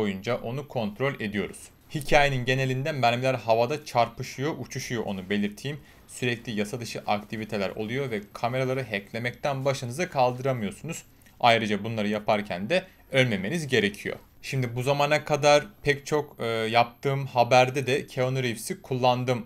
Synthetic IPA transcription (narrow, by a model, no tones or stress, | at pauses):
ojund͡ʒaʔo̞nukʰo̞nt̪ɾo̞lʲe̞d̪ijo̞ɾuz̥ | hicʰaːjeninɟe̞ne̞lʲind̪ænmæɾʲmlʲæɾɦavad̪at͡ʃʰaɾpɯʃujo̞ʔut͡ʃʰuʃujo̞ʔo̞nube̞lʲiɾt̪ʰiːm | syɾɛclʲijasad̪ɯʃɯʔakt̪ʰivit̪ʰe̞lʲæ̰ɾo̞̰lˠujo̞vɛkʰameɾalˠaɾɯɦɛclʲe̞mɛc̚t̪ʰænbaʃɯnɯzakʰalˠd̪ɯɾamɯjo̞sunuz̥ | ajɾɯd͡ʒabunlˠaɾɯjapʰaɾcʰænd̪ɛ | ølʲme̞me̞nizɟe̞ɾe̞cʰijo̞̰ | ʃimd̪ibuzamanakʰad̪aɾpʰɛct͡ʃʰo̞kːjap̚t̪ʰɯːmhabæɾd̪ɛd̪ɛcʰeonuɾifsikʰulˠːand̪ɯm